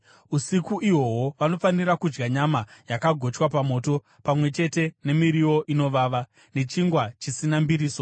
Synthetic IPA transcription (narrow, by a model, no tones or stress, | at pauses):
usikuʔiwo̞woʋano̞fanirakud͡ʒɡaɲamajakaɡʱo̞t͡ʃwapamo̞ːto̞ | pamwe̞t͡ʃe̞te̞ne̞miɾiwo̞ʔino̞ʋaːʋa | ne̞t͡ʃiŋɡwat͡ʃisinambiɾiːso̞